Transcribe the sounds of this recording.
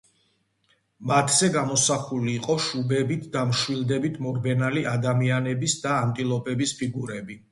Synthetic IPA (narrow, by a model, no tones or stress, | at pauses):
mat̪ʰzɛɡamɔsaχuliːqʼɔʃubɛbit̪ʰd̪amʃwilˠd̪ɛbit̪ʰmɔɾbɛnaliʔad̪amianɛbisd̪aːnt̪ʼilˠɔpʼɛbispʰiɡuɾɛbi